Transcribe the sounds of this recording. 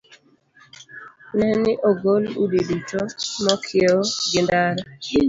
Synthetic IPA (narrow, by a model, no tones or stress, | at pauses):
nɛnɪʔoɡoludidut͡ʃomɔkʰjeoɡɪndaɾɔ